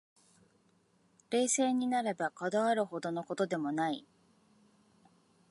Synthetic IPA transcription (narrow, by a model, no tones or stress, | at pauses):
ɾe̞ːse̞ːɲ̟inaɾabakad̪aβaɾɯ̟ho̞d̪o̞no̞ko̞t̪o̞d̪e̞mo̞nai